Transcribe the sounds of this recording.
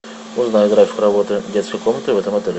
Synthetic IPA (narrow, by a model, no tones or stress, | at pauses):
ʊznajɪt̪ɡɾafʲɪ̥kʊɾɐbot̪ɨdʲet̪skəjkomnət̪ɨvɛt̪əmɐt̪əɾʲɪ